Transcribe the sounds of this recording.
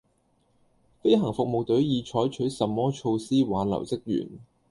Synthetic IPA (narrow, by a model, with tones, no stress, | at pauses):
fe˥jɦɐ˨˩ŋfʊ˨k̚mo˨wt̪ɵ˨˥ɥjiː˨˧t͡ʃʰɔː˨˥jt͡ʃʰɵ˨˥ɥsɐ˨mːɔː˥t͡ʃʰo˧wsiː˥waː˨˥nlɐ̰˨˩wt͡sɪ˥k̚jy̰ː˨˩n